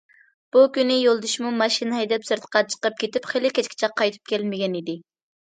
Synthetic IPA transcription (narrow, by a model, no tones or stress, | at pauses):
b̥ukʲynɪjolˠd̪uʃmumɑʃinɛd̪ɛpsɨɾt̪ʰə̥qʰɑt͡ʃʰə̥qəp̚kʲet̪ɪpχelɪkʲʰɛt͡ʃkʲɪ̥t͡ʃʰɛqʰːɑjt̪ʰɨ̥p̚kʲɛlmɪɡʲɛnid̪ɪ